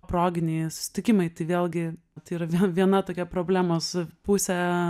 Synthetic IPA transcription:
pɾoːɡʲɪnʲɛɪsʊ̥sʲɪ̥t̪ʲɪkʲɪmɐɪt̪ɐɪʋʲeːlʲˠɡʲɪ | t̪ɐiːɾɐʋʲɛʋʲiɛnɐt̪oːkʲɛpɾoːbʲlʲæːmoːspʊːsʲɛ

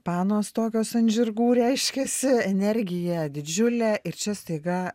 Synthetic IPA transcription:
pɑːnoːst̪oːkʲoːsɐnʲʒʲɪrɡuːɾʲɛɪʃʲkʲeːsʲɪɛnʲɛɾʲɡʲɪjɛd̪ʲɪd͡ʒʲʊlʲɛːʔɪɾt͡ʃʲɛst̪ɐɪɡɐ

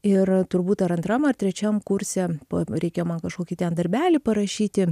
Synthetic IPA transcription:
ɪrt̪ʊɾbuːt̪ɐɾɐnt̪ɾɐmɐrt̪ʲɾʲɛt͡ʃʲɛmkʊɾʲsʲɛːpoɾʲɛɪkʲeːmɐnkɐʃkoːkʲɪt̪ʲɛnd̪ɐɾʲbʲæːlʲɪpɐɾɐʃʲiːt̪ʲɪ

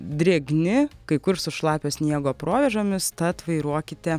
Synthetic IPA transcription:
d̪ʲɾʲeːɡnʲɪkɐɪkʊɾsʊʃlˠɑːpʲoːsʲnʲiɛɡoːpɾoːʋʲɛʒoːmʲɪst̪ɐt̪ʋɐɪɾuɔkʲɪt̪ʲɛ

